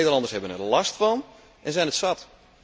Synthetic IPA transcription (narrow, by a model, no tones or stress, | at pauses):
edəlɑndəshɛbənə̰rlɑstfɑn | ʔɛnzɛjnətsat